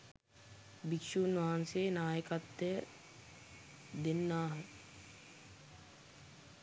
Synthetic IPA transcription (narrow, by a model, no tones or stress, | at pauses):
bikʃuːnʋaːnseːnaːjəkat̪ːə | d̪enːaːɦə